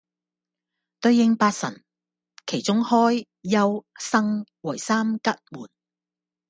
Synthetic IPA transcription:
t̪ɵ˧ɥːɪ˧ŋpaː˧t̚sɐ̰˨˩n | kʰe˨˩jt͡ʃʊ˥ŋhɔː˥jː | ɐ˥wsɐ˥ŋwɔ˨˩jsaː˥mkɐ˥t̚muː˨˩n

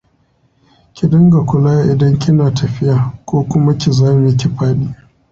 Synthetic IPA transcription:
kʲɪ˨dʊ˦ŋɡa˨kʷʊ˨laː˦ʔɪ˨dɐ˦ŋkʲɪ˦naː˨tʰɐ˨ɸɪ˦jaː˨kʷoː˦kʷʊ˦ma˦kʲɪ˨zaː˦mɪ˨˦kʲɪ˨ɸaː˦ɗiː˦

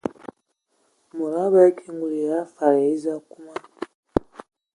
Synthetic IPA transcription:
mo˨ɾa˦βa˦kʰe˦ŋɡu˨li˨ja˦fa˨ɾa˨i˦za˦ku˦ma˦

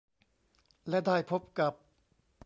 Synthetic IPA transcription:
lɛ˦˥ʔdaː˥˩jpʰo˦˥p̚ka˨˩p̚

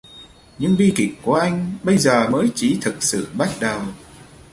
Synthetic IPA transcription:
ɲɨ˧ŋɓi˧ki˨˩k̚ku˧˨˩ʔa˧jŋ̟ɓə˧jzəː˨˩məː˨˦jt͡ɕi˨˦t̪ʰɨ˨˩t̚sɨ̰˧˨ɓa˦˥t̚ɗə˨˩w

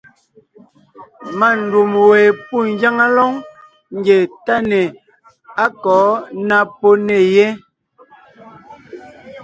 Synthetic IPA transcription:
ma˦˨n̩˨du˨mweː˨pu˦˨ŋ̩˨˦ɡja˦ŋa˦lɔ˦ŋ | ŋ̩˨ɡe˨ta˦ne˨ | a˦kɔː˨˦na˦po˦ne˨je˦

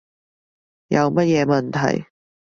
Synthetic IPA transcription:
jɐ˧wmɐ˥t̚jɛː˨˧mɐ˨nt̪ʰɐ̰˨˩j

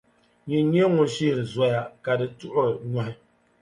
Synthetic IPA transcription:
ɲi˨˦ɲɛ˦ŋʊ˨nʃi˦hɪ˨za˦ja˦ka˨dɨ˨tʊ˦ʔʊ˦˨ɲa˦hɪ˦

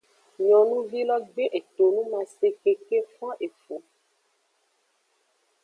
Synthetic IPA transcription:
ɲɔ̃˨nũ˦vi˦lɔ˦ɡ͡be˦ʔe˨t̪o˨nũ˦mã˨se˦ke˦ke˦fã˦ʔe˨fo˨

